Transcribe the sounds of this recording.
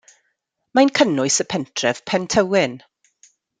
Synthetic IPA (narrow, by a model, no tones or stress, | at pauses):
majnkʰənʊɨsəpʰɛntʰrɛv̥pʰɛntʰəwɪn